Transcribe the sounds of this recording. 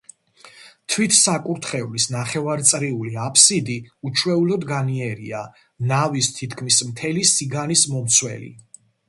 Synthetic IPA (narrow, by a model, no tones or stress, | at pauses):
t̪ʰwit̪ʰsakʼuɾt̪ʰχɛvlisnaχɛvaɾt̪sʼɾiuliapʰsid̪iut͡ʃʰwɛulɔd̪ɡaniɛɾḭa | navist̪ʰit̪ʰkʰmismt̪ʰɛlisiɡanismɔmt̪sʰwɛ̰lḭ